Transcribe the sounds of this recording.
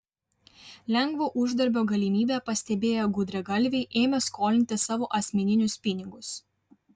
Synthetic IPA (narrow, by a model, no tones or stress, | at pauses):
lʲɛŋɡʋoːʔʊʒd̪ɐɾʲbʲoːɡɐlʲɪmʲiːbʲeˑpɐsʲt̪ʲɛbʲeːjoɡʊd̪ʲɾʲɛɡɐlʲˑʋʲɛɪʔeːmʲɛskʰoːlʲɪnʲt̪ʲɪsɑːʋoːʔɐsʲmʲɛnʲɪnʲʊspʲɪnʲɪɡʊs